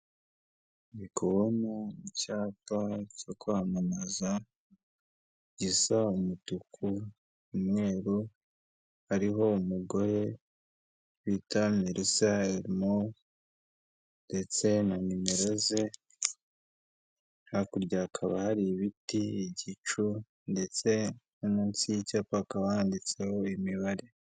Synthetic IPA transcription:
βikʰoβonoicaːpacokwamanaza | ɟisaumutukʰu | umŋe̞ːɾu | haɾiɦo̞umuɡo̞ɾe̞ | witameɾʔisaeɾimo | nde̞t͡se̞namimeɾe̞ze̞ | hakuɾɟakʰaβahaɾiβitiːɟit͡ʃu | nde̞t͡se̞ | anansicapakawaandit͡se̞ho̞imiβaɾe

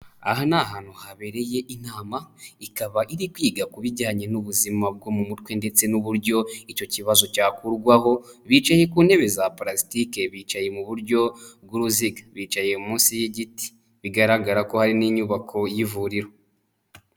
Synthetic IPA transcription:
a̰ɦanaɦaːn̥huhaβe̞ɾe̞je̞ʔinaːmaikaβaʔiɾikwiːɡakuβiɟaːɲenuβuzimab̚ɡo̞mumutwe̞nde̞t͡se̞nuβuɾɟo̞ico̞ciβazo̞caːkuɾɡwaho̞βiːt͡ʃaje̞kuːne̞βe̞zapɾasi̥tikeβiːt͡ʃaje̞muβuɾɟo̞b̚ɡuɾuziɡaβiːt͡ʃaje̞umuːnsijeɟiti̥ | βiɡaɾaɡaɾako̞haɾiniɲuβakʰo̞jivuɾiɾo

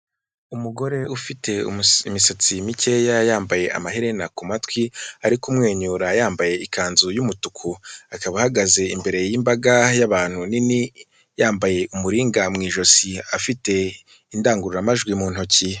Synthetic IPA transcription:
umuɡo̞ɾe̞ufite̞ṵimisat͡simice̞jajaːmbaje̞ʔa̰maɦiɾe̞nakumatkwiaɾikumŋe̞ːɲuːɾajaːmbaje̞ikaːnzujumutukʰuakaβahaɡaze̞imbe̞ɾe̞jimbaɡajaβaːn̥hunini | jaːmbaje̞ʔumuɾiːŋɡamŋiːʒo̞siafite̞ | indaːŋɡuɾuɾamaʒɡwimuːn̥huci

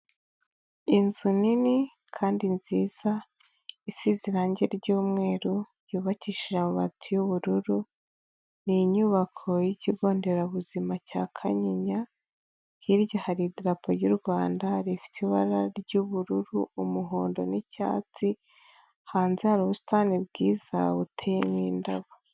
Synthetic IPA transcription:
inzunini | kʰaːndinziːz̥a | isiziɾaɲɟe̞ɾɟuːmŋe̞ːɾu | juːβaciʃiʒamuβa̰tʰujuβuɾuɾu | niɲuβakʰo̞jiciɡo̞ːnde̞ɾaβuzimacakʰa̰ɲiɲa | hiɾɟahaɾidɾapʰoɾjuɾɡwaːndaɾifi̥tʰiβaɾaɾɟuβuɾuɾuumuɦoːndo̞̰nica̰ːt͡si | haːnzihaɾuβusu̥tanibɡiːz̥a̰utʰejemiːndaβo

